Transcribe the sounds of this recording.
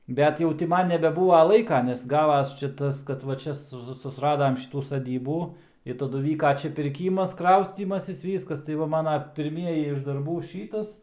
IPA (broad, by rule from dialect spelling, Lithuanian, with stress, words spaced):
ˈbʲɛt jɛʊ tʲɪ ˈmɐn nʲɛbʲɛˈbuːʋɐ ˈlˠɐɪkɐ nʲɛs ˈɡɑːʋɐs ˈt͡ʃʲɛ ˈtɐs kɐt ˈʋɐ ˈt͡ʃʲɛ sʊ sʊsˈrɑːdɐm ˈʃʲɪtuː sɐˈdʲiːbuː ɪ tɐˈdʊ ˈʋʲiːkɐ ˈt͡ʃʲɛ pʲɪrʲˈkʲiːmɐs ˈkrɐʊsʲtʲiːmɐsʲɪs ˈʋʲiːskɐs tɐɪ ˈʋɐ ˈmɑːnɐ pʲɪrʲˈmʲiɛjɪ ɪʃ dɐrˈbuː ˈʃʲiːtɐs